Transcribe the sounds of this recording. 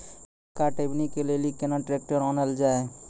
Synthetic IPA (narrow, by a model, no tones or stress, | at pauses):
kaʈebnikelelikenaʈɾeːk̚ʈəɾɔnəld͡ʒaːe